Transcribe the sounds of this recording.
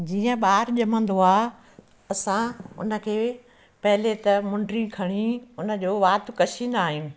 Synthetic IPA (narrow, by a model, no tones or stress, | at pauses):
d͡ʑiːə̃ɓaːɾʄɐmə̃nd̪oaː | ɐsãʊ̰nə̆kʰeː | pɐɦɪlet̪ɐmʊ̃ɳɖɾikʰɐɽ̃iʊnə̆d͡ʑoːʋaːt̪kɐt͡ɕʰĩːn̆d̪aːɦijũː